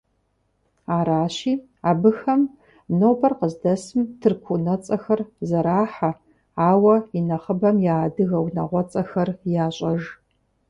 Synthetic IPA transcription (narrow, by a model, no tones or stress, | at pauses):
aːɾaːɕiː | aːbɨxɐm | noːbʰɐrqəzdɐsɨmtʰɨrkʷʰunɐt͡sʼɐxɐrzɐɾaːħa | aːwɐinɐχəbɐmjaːdɨɣɐwnɐ̰ʁʷɔt͡sʼɐxɐrjaːɕʼɐʒ